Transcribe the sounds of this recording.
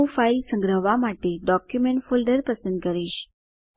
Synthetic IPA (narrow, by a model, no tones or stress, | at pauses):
failsə̃ŋɡɾəɦʋamaʈeɖɔkjumeɳʈfolɖəɾpəsənd̪̚kəɾiɕ